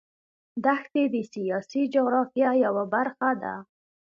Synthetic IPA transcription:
d̪axt̪ed̪əsijɑsid͡ʒʊɣɾɑfjajawabaɾxad̪a̰

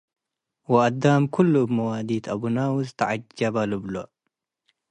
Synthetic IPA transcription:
waʔad̪ːaːmkʊlːmawaːd̪iːt̪ʔabunaːwzt̪aʕad͡ʒːabalubloʔ

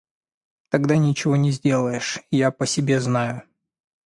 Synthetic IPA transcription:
t̪ɐɡd̪anʲɪt͡ɕɪvo̞nʲɪzʲdʲe̞lˠəjɪʂɪjapəsʲɪbʲe̞znajʊ

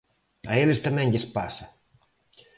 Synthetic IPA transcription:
a̰elɪst̪amɛ̃ŋʎɪspasɐ

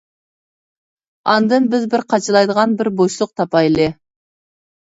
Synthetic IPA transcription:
ɑnd̪ɨnbɪzbɪɾqʰɑt͡ʃʰɨlˠɑjd̪əʁɑnbɪɾboʃlˠʊq̚t̪ʰɑpɑjlˠɪ

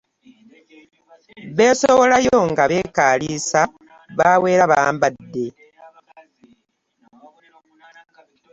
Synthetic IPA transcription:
βe̞ːsoβo̞lajo̞ŋɡaβe̞ːkaːliːsa | βawe̞ːɾaβaːmbadːe̞

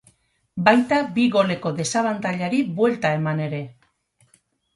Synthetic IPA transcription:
bajt̪abiɣo̞le̞ko̞ðe̞saβ̞ant̪aʎaɾiβwe̞lt̪ae̞mane̞ɾe̞

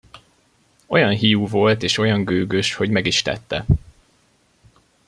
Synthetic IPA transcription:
o̞jɒnɦijuːvo̞lt̪eːʃo̞jɒŋɡøːɡøʃho̞ɟmɛɡiʃt̪ɛ̰t̪ːɛ̰

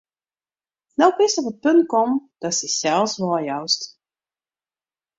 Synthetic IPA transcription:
nɔwpɪstɔfət̚pɵnt̚kɔmd̥ɔtsisɛlˠsʋɔjœwst

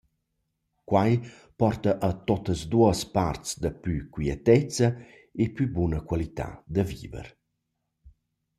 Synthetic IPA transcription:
kwaj | pɔrt̪əʔːt̪ot̪əzd̪uəspaɾt͡sd̪əpykwiɛt̪ɛt͡sə | epybunəkwalit̪a̰d̪əvḭvə̰ɾ

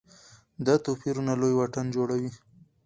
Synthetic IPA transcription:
d̪at̪opiɾunalojwaʈand͡ʒoɽawi

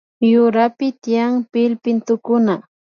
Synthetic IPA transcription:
jʊɾapɪt̪ɪjaŋpɪlpɪnt̪ʊkʊna

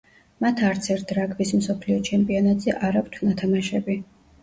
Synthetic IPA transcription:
mat̪ʰaɾt̪sʰɛɾt̪̚ʰɾakʰbismsɔpʰliɔt͡ʃʰɛmpʼiɔnat̪ʼz̥ɛʔaɾakt̪ʰnat̪ʰamaʃɛbi

